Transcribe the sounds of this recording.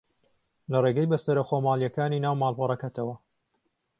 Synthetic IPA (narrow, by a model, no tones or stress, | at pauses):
lɐreɡɐjbɐst̪ɐɾɐxomaːljɐkaːninaːwmaːlˠpɐɾˤɐkɐt̪ʰɐwɐ